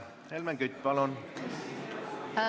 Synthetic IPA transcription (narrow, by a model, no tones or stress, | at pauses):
helmæŋɡyt̪ʲːpɑlon